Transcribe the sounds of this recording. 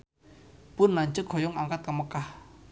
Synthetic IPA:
pʊnːaɲt͡ʃəkhɔ̤jɔŋaŋkat̪̚kəməkah

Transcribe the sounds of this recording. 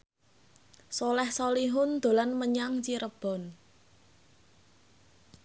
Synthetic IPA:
sɔlɛhsɔliɦʊnd̪̥o̤lanməɲaŋt͡ʃiɾəb̥ɔ̤n

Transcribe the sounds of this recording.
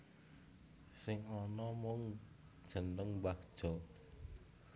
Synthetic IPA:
sɪŋɔnɔmɔŋ | d̥ʒ̥ə̤nəŋbahd̥ʒ̥ɔ̤

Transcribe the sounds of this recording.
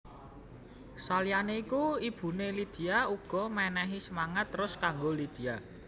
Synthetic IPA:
salijaneikuib̥ṳnelid̪̥i̤auɡ̥ɔ̤mɛnɛɦisəmaŋat̪ːɾʊskaŋɡolid̪̥i̤a

